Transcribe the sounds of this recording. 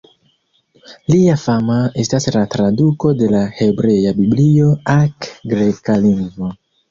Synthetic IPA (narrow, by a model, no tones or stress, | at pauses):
liafamae̞staslatɾaduko̞de̞lahe̞bɾe̞jabiblio̞akɡɾe̞kaliŋɡvo